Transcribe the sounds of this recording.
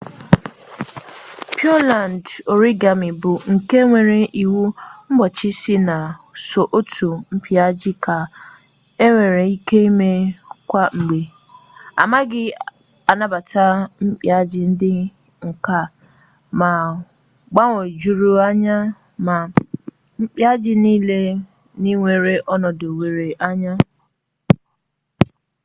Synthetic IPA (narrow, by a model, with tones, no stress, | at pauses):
pʰjɔ˦la˨n˨do˨ɾi˦ɡa˨mɪ˨bʊ˨ŋ̩˨ke˦ŋʷe˨ɾe˨ʔi˨wu˦m̩˦bɔ˨t͡ʃɪ˦sɪ˦na˨so˨ʔo˦tʰu˨m̩˦pʰja˦d͡ʒɪ˦kʰa˨ | e˦ŋʷe˨ɾe˨i˦ke˦i˦me˦kʷa˦ŋ͡m̩˨ɡ͡be˨ | a̰˨ma˦ɡɪ˦ | a˨na˦ba˨ta˦m̩˦k͡pja˦d͡ʒɪ˦n̩˦dɪ˦ | ŋ̩˨ka˦ | ma˨ | ɡ͡ba˦ŋʷo˨d͡ʒu˦ɾu˦a˦ɲa˦ | ma˨ | m̩˦k͡pja˦d͡ʒɪ˦niː˦le˦ | ni˦ŋʷe˨ɾe˦ʔɔ˦nɔ˨do˨we˨ɾe˨ʔa˦ɲa˦